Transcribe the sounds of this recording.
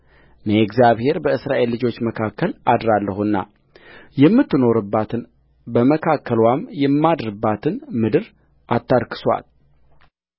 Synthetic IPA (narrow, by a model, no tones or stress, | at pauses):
nəɛkzjaβhe̞ɾbəɨsɾaʔe̞lːɨd͡ʒo̞t͡ʃːməkʰakːəlʔad̪ɾalːəhunːa̰ | jɛmːɨt̪ːɨno̞ɾɨbːat̪ʰɨn | bəməkʰakːəlwamjɛmːad̪ɾɨbːat̪ʰɨnmɨd̪ɨɾ | ʔat̪ːaɾkʰɨ̥swa̰l